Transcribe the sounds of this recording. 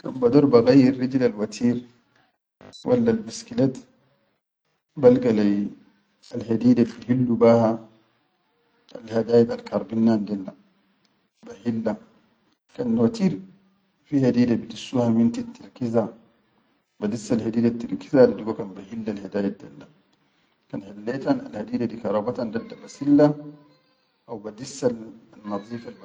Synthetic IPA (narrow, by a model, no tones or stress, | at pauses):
ka̰nbad̪ɔɾbaɣajːiɾːid͡ʒlalwat̪ʰiːɾ | wʔa̰lːalbiskilat̪ | balɡala | alhad̪iːdabihilːubaha | a̰lhad̪aːjat̪alkʰɑɾˤbinːandelːa | bahilːa | kanwat̪iːɾ | fihad̪iːdabidisːuhamint̪it̪ʰːaɾkiza | badisːalhadiːdat̪ːiɾkizadiduɡakanbahilːalhadaːjad̪a̰lːa | kanħilːeːt̪ana̰lhadiːdadikɑɾˤɑːbat̪andadːabasilːa | ʔawbadisːalnːɑðˤiːfalb